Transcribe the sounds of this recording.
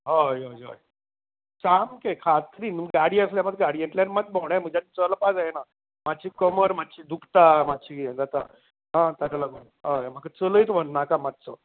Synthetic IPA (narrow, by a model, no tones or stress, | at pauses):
ɦojojo̰j | t͡samkekʰat̪ɾiːnmɡaɽiəsljaməd̪ɡaɽijeɳʈlanmad̪̚bʱoɽ̃am̤əd͡ʑat̪it͡sələpad͡zajena | matːɕikəməɾmat̪ːt͡ɕid̪ukʰt̪amad̪̚t͡ɕʰiɡd͡zat̪a̰ | ɦãt̪at͡ɕalaɡonɦəjam̤akat͡sələit̪bʱənnakamat̪̚t͡sə